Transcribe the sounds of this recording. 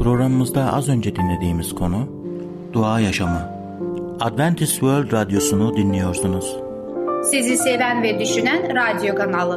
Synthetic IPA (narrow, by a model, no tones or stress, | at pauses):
pɾo̞ɡɾamɯmɯzd̪aʔa̰zø̞nd͡ʒɛd̪inlʲe̞d̪iːmiz̥kʰo̞nu | d̪̥uaːjaʃamɯ | ad̪vænt̪ʰisvøɾlʲd̪ɾad̪ijo̞sunud̪inlʲijo̞ɾsunuz̥ | sizisevænvɛd̪yʃynænɾad̪jo̞kʰanalˠɯ